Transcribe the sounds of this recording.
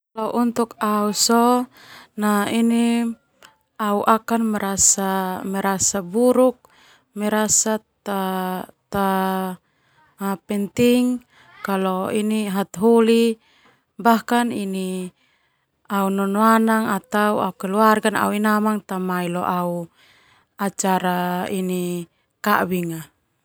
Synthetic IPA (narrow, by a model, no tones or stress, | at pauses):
laʔunt̪ukausɔ | naini | auʔakanmɛɾasamɛɾasabuɾuk̚ | mɛɾasat̪at̪a | pɛnt̪iŋ | kalɔiniɦat̪ɦuli | bahkanini | aunɔnoanaŋat̪auaukɛluarɡana̰uinamaŋt̪amailɔʔau | at͡ʃaɾaini | ka̰biŋa